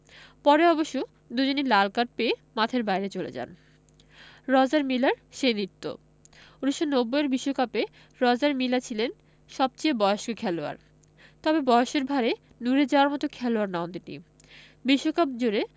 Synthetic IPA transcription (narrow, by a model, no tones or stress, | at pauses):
pɔɾeɔboʃːu | d̪ud͡ʑonilalkaʈ̚peːmat̪ʰeɾbajɾet͡ɕolḛd͡ʑa̰n | ɾɔd͡ʑaɾmilaɾʃenit̪ːo̰ | uniʃonobːojeɾbiʃːokape | ɾɔd͡ʑaɾmilat͡ɕʰilen | ʃɔb̚t͡ɕejbɔeoʃokʰɛloa̰ɾ | t̪ɔbebɔeoʃeɾbʱaɾe | nuɾed͡ʑaoaɾmɔt̪okʰɛloaɾnaont̪inḭ | biʃːokap̚d͡ʑoɾe